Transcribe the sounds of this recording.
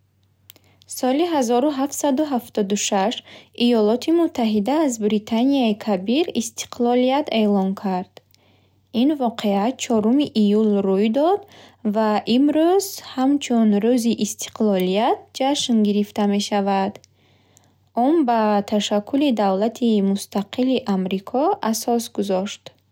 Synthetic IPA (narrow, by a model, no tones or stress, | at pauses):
sɔliɦazɔɾuɦaft̪sad̪uɦaft̪ɔd̪uʃaʃʔijɔlɔt̪ʰimut̪ʰːaɦid̪aːzbɾit̪ʰaniaikʰabiɾist̪ʰi̥qʰlɔlijat̪e̞lɔŋkʰaɾd̪̥ | invɔqʰe̞at̪̚t͡ʃʰɔɾumiʔijulrujd̪ɔd̪vaʔimɾuzhamt͡ʃʰunɾuziʔist̪ʰi̥qlɔlijat̪̚d͡ʒaʃnɡiɾift̪ame̞ʃavad̪ | ɔmbat̪ʰaʃakʰːulid̪avlat̪ʰimust̪ʰaqʰiliʔamɾikʰɔʔasɔsɡuzɔʃt̪